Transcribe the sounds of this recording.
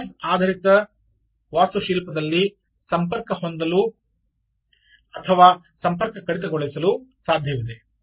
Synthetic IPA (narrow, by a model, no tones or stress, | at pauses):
aːd̪ʱɐɾit̪ɐ | ʋaːsuʃiːlpɐd̪ɐlːi | sɐmpɐɾkɐɦond̪ɐlu | ɐt̪ʰɐʋaː | sɐmpɐɾkɐkɐɽit̪ɐɡoɭisɐlusaːd̪ʱjɐʋid̪e